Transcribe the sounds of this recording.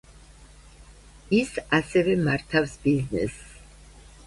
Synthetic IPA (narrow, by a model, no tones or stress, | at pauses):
isasɛvɛmaɾt̪ʰafsbiznɛ̰s